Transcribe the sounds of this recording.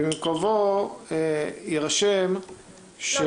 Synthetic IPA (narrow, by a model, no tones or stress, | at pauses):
mimkovo | iʁaʃem | ʃe